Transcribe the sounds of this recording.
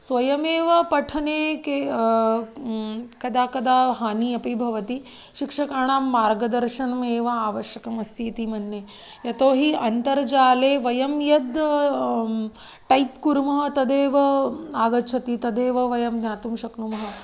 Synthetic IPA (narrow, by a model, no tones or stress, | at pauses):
sʋɐjɐmeːʋɐpɐʈʰɐneːke | kɐd̪ʱaːkɐd̪ʱaːɦaːniːɐpibʱɐʋɐt̪i | ʃikʂɐkaːɳaːmːaːɾɡɐd̪ɐɾʃɐnɐmeːʋɐaːʋɐʃjɐkɐmɐst̪ʰiːt̪imɐnːe | jɐt̪oːɦiɐnt̪ɐɾd͡ʒaːleːʋɐjɐmjɐd̪ | ʈɐjpkuɾmɐɦɐ̆t̪ɐd̪eːʋɐaːɡɐt͡ʃʰɐt̪it̪ɐd̪eːʋɐʋɐjɐmd̪naːt̪umʃɐknumɐɦɐ